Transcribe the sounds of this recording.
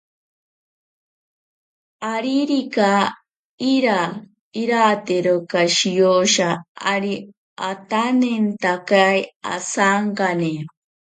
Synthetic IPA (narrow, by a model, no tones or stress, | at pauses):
aɾiɾika | iɾa | iɾat̪eɾokaʃijoʃaa̰ɾi | at̪anent̪akaja̰saŋkane